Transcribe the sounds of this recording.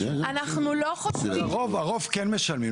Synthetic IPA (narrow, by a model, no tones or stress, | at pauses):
anaχnuloχot͡siʁovaʁovkenmeʃalmi